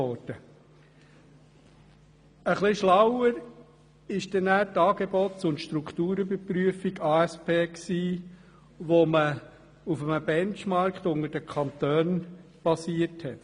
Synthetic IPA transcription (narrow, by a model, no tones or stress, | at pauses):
ɔɾdə | əχlɪʃlawəɾ | ɪʃd̥ɛnæːɾtɑːɡebɔtsʊnt̪ʃt̪ɾukχt̪uːɾəbəpɾyəfiɡɑːɛspeːksiː | ʋomə | ufəməbɛnt͡ʃmɑɾkχt̪ʊŋəɾd̥əkχɑnt̪øːn | b̥ɑsiəɾthɛt